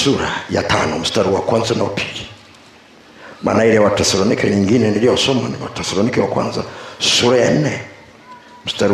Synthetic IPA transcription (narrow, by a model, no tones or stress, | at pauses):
suɾajata̰nɔm̩staɾiwakwanzanaupʰi̥li | mʔa̰ːnaiɾɛwatɛsalɔnikɛɲiŋɡinɛniliɔsɔmaniwa̰tɛsalɔnikɛwakwa̰nza̰suɾajan̩nɛ | m̩staɾi